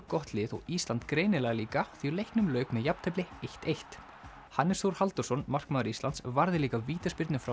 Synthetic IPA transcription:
kɔht̪lɪːðɔ̰ɣiːst̪lant̪kɾeːjnɪlɛːɣaliːkaθilejhknʏmlœːɥkmɛðjapn̥t̪ʰɛplɪejht̪ejht̪ | hanːɪsθowɾ̥halt̪ʏɾsɔnmar̥kmaːðʏɾist̪ant̪svaɾðɪliːkaviːt̪aspɪɾt̪nʏmfɾa

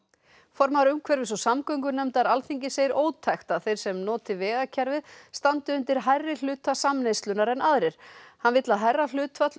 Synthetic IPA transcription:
fɔɾmaɾʏmkʰvɛɾvɪs̬ɔsamkœŋkʏnɛmt̪aɾalθiɲcɪseːjɪɾoːwt̪ʰajxt̪aðθejr̥sɛmnɔːt̪ɪvɛːɣacʰaɾvɪðst̪ant̪ʏʏnt̪ɪɾ̥ɦajrːɪl̥ʏːt̪asamnejst̪lʏnaɾɛnaðɾɪɾ̥hanvɪt̪laðɦajrːal̥ʏːt̪vat̪l

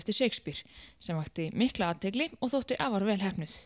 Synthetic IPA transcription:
ft̪ɪ̥ɾ̥seːjkspiɾ̥sɛmvaht̪ɪmɪhklaaːt̪ʰejklɪɔɣθowht̪ɪʔaːvaɾvɛːlɦɛhpnʏθ

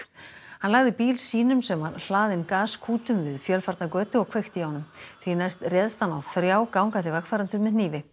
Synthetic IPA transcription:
hanlaɣðɪpiːlsiːnʏmsɛmvaɾl̥aːðɪnkaːskʰuːt̪ʏmvɪðfjœlfaɾt̪nakœːt̪ʏɔɣkʰvext̪ɪhɔnːʏmθvinajst̪rjɛðst̪anawθɾjaːwkawŋkant̪ːɪvakfaɾant̪ʏɾmɪðniːvɪ

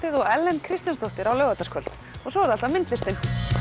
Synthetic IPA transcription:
t̪ɪðɔɣɛlːɛnkʰɾɪst̪janst̪oht̪ɪɾawlœɥɣat̪askʰœlt̪ | ɔɣsɔɛɾðalt̪amɪnt̪lɪst̪ɪn

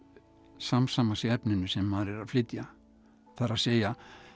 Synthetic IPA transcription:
samsaːmasɪɛpnɪnʏsɛmːaðɾɪɾaðflɪt̪ja | θaɾasɛːja

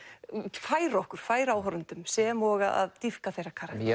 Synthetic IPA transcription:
faːjɾɔhkʏɾ̥faːjɾawɦɔɾʏnt̪ʏmsɛmɔːɣaa̰ðt̪ifkaθejɾakʰaːɾa

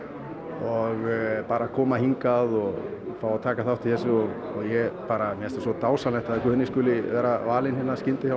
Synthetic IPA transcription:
ɔɣpaːɾakʰɔːmahiŋkaðɔɣfaːwat̪ʰaːkaθawht̪ʰɪlθɛsʏɔɣ | ɔɣjɛpaːɾamjɛst̪ḁsɔt̪aːwsalɛht̪aðkʏːnːɪskʏːlɪvɛːɾavaːlɪnhɪːnːascɪnt̪ɪçjaw

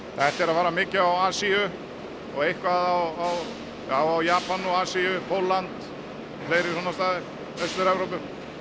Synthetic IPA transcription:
θɛht̪ɛɾaðvaːɾamɪːcɪawaːsiʏ | ɔɣejhkvaðawaw | jaːwawjaːpanɔɣaːsiʏpʰowlːant̪ | fleːjɾɪsɔnast̪aːðɪɾ̥ | œst̪ʏɾɛvɾowp̬ʏɾ̥

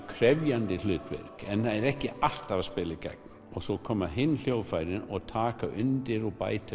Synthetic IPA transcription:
kʰɾɛvjant̪ɪlʏːt̪vɛ̰ɾ̥kɛnhaðɛɾɛhcɪal̥t̪avspɪːlɪka̰k̚n | ɔɣsɔkʰɔːmːaɦɪnːl̥joːwfajɾɪnɔɣt̪ʰaːkaʔʏnt̪ɪɾɔpa̰ːjt̪a

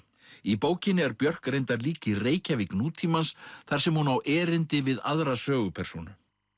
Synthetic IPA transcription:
ipoːwcɪnːɪɛɾpjœr̥kɾejnt̪aɾliːcɪreːjcavɪknuːt̪ʰiːmansθaɾ̥sɛmhunawʔɛːɾɪnt̪ɪvɪða̰ðɾasœːɣʏpʰɛr̥sonʏ

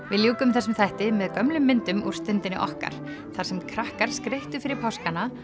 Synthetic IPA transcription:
vɪðljuːkʏmθɛsʏmθajht̪ɪmɛðkœmlʏmːɪnt̪ʏmuɾ̥st̪ɪnt̪ɪnɪʔɔ̰hka̰ɾ̥ | θaɾ̥sɛmkʰɾahkaɾ̥skɾejht̪ʏfɪɾɪɾpʰawskana

